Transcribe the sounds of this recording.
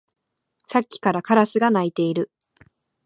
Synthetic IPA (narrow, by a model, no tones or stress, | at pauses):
sakʲːi̥kaɾakaɾasɨɡanait̪e̞iɾɯ̟